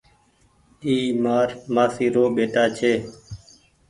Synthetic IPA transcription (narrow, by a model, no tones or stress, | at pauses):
iːmaːɾmaːsiːɾoːɓeːʈaːt͡ʃʰeː